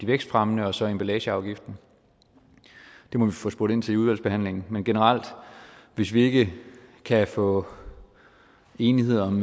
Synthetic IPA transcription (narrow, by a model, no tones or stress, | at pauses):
d̥iʋeɡ̥sd̥fʁamənəɒ̽sɒ̽emb̥ælɛːɕəɑ̈ʊɡ̥ifd̥n̩ | d̥e̝mɒ̽ʋifɔ̽sb̥oɐdˠe̝n̰t͡sʰe̝luðˠæl̰sb̥e̝hæn̰le̝ŋn̩menɡ̥e̝nəʁɑl̰d̥ʋe̝sʋie̝ɡ̥əkʰæfɔ̰̽ː | e̝ːnihe̝ð̞̰ˠɐɒm